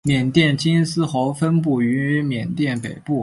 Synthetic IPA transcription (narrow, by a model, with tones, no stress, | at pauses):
mjɛ˨˩nt̪jɛ˥˩nt͡ɕi˥nsɹ̩˥xo˧˥ʊfə˥npu˥˩y˧˥y˥mjɛ˨˩nt̪jɛ˥˩npe˨˩ɪpu˥˩